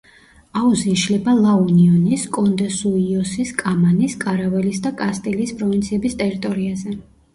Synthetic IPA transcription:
auziʃlɛbalˠauniɔniskʼɔnd̪ɛsuiɔsiskʼamaniskʼaɾavɛlisd̪akʼast̪ʼiliːspʼɾɔvint̪sʰiɛbist̪ʼɛɾit̪ʼɔɾiazɛ

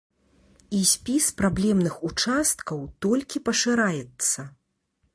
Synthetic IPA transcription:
isʲpʲispɾablʲɛmnɨxut͡ʂast̪̚kɐwt̪ɔlʲkʲipɐʂɨɾajɛt̪sːɐ

